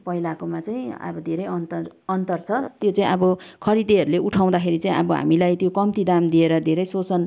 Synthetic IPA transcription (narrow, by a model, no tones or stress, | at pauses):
pʌilakomat͡saĩʌ̰bʌd̪ʱeɾʌjʌnt̪ʌʌnt̪ʌrt͡sʰʌt̪jot͡saĩʌbʌkʰʌɾid̪iɦʌɾuleʔuʈʰaw̃d̪akʰeɾit͡saĩʔʌbʌɦa̰milajt̪jokʌmt̪id̪amd̪ieɾʌd̪ʱeɾʌjsot͡sʌn